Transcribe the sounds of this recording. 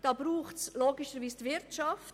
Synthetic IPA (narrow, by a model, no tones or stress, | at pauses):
d̥ɑːbɾuːχtsloːɡɪʃəɾʋiːstʋɪɾtt͡ʃɑft